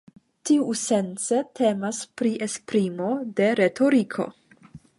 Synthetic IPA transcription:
tiuse̞nt͡setʰe̞maspɾiʔespɾimo̞de̞ɾe̞tʰo̞ɾikʰo̞̰

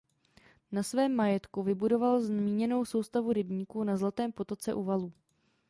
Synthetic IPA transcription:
nasvɛːmːajɛt̪kuvɪbudo̞valzmiːɲɛno̞wso̞wst̪avuɾɪbɲiːkuːnazlat̪ɛːmpo̞t̪o̞t͡sɛʔuːvaluː

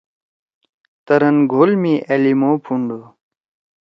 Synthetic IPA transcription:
t̪ɐɾənɡʱoːlmiʔɐlimoːpʰuɳɖu

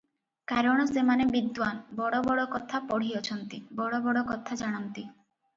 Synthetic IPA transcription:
kaɾɔɽ̃ɔsemanebid̪wanbɔɽɔbɔɽɔkɔt̪ʰapɔɽ̤ijɔt͡ʃʰɔnt̪ibɔɽɔbɔɽɔkɔt̪ʰad͡ʒaɽ̃ɔnt̪i

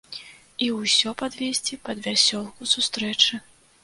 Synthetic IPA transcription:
iwsʲɔpad̪vʲesʲt͡sʲipɐd̪vʲasʲɔlˠkusust̪ɾɛt͡ʂɨ

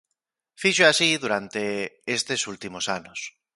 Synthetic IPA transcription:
fiʃoasiðuɾant̪eest̪esult̪imosanos

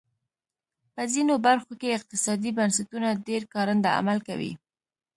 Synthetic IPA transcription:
pəzinobaɾxokeɪq̚t̪ɪsɑd̪ibansat̪unaɖeɾkɑɾənd̪aa̰malka̰wḭ

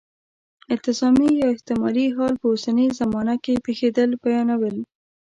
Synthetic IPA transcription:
ɪnt̪ɪsɑmijɑɪht̪ɪmɑliɦɑlpəosanəzamɑnakepexed̪əlbajɑnawəl

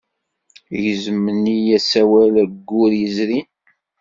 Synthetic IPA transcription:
jəzmənijæsæwælæɡːʊɾjəzɾin

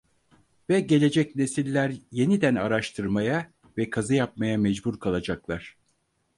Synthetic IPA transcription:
vɛɟe̞lʲe̞d͡ʒɛcne̞silʲːæɾje̞nid̪æna̰ɾaʃt̪ʰɯɾmaja | vɛkʰazɯjap̚majamɛd͡ʒbuɾkʰalˠad͡ʒaklˠaɾ̥

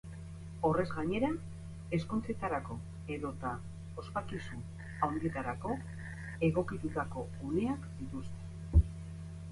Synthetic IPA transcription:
o̞re̞zɣaɲe̞ɾa | e̞skont͡se̞t̪aɾako̞ | e̞ðo̞t̪a | ospakisun | awnɡ̪iet̪aɾako̞ | e̞ɣo̞kit̪ut̪ako̞ | une̞akd̪it̪ust̪e̞

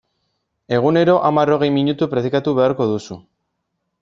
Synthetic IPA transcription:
e̞ɣ̞une̞ɾo̞ʔamaro̞ɣ̞e̞jmiɲut̪upɾeðikat̪uβe̞aɾko̞ðusu

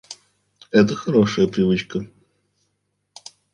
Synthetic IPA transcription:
ɛt̪̬əxɐɾoʂɨjəpɾʲɪvɨt͡ɕkə

